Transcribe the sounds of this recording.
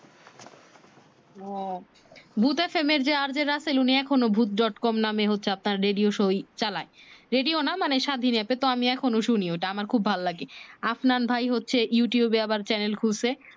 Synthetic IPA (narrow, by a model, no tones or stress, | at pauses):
ɔ | bʱut̪efemeɾd͡ʑeaɾd͡ʑeɾaseluniɛkʰonobʱut̪̚ɖɔʈkɔmnameɦotːɕʰeap̚naɾːeɖioʃojt͡ɕalaeɾeɖionamaneʃad̪ʱinɛpet̪oamiɛkʰonoʃunioʈaamaɾkʰubːʱalolaɡeafnanbʱajɦotːɕʰejuʈiubeabaɾt͡ɕɛnelkʰulse